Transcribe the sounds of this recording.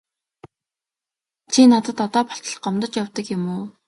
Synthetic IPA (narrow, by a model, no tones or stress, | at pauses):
t͡ɕʰinat̪ə̆t̪ɔt̪ɔːpɔ̥ɬt̪ə̆ɮɢɔmt̪ə̆t͡ɕjawt̪ə̆kjɪmuː